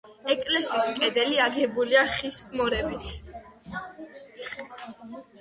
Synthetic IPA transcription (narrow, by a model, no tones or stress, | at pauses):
ɛkʼlɛsiːskʼɛd̪ɛliaɡɛbuliaχismɔɾɛbit̪ʰ